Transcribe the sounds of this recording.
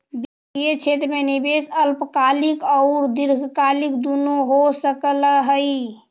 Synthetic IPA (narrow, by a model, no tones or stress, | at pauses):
bi | ijet͡ʃʰet̪ɾmenibesəlpkalikəʊɾd̪iɾɡʱkalikd̪unuɦosəkəlɦəj